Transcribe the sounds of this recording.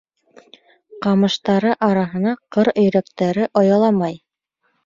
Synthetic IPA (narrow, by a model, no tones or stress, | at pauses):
qɑmɤ̆ʃt̪ɑɾɤʔɑɾɑɦɤ̆nɑqɤɾɵ̆jɾæk̚t̪æɾɘʔɑjɑlˠɑmɑj